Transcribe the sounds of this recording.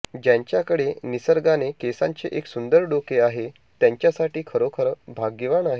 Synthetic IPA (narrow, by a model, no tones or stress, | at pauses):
d͡ʑjaɲt͡ɕjakəɽenisəɾɡanekesa̰ɲt͡seʔeksund̪əɾɖokeaɦe | t̪jãɲt͡ɕjasaʈiːkʰəɾokʰəɾəbʱaɡəʋaɳaɦe